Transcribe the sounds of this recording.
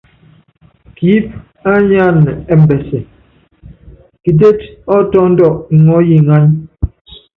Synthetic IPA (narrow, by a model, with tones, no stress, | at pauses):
ki˨˦p̚ | a˦ɲa˦nɛ˨ɛ˦m̩˨bɛ˨sɛ˨ | ki˨de˦tɔ˦tɔ˦n̩˦dɔ˦˨ʔŋɔ˦ji˨ŋa˦ɲ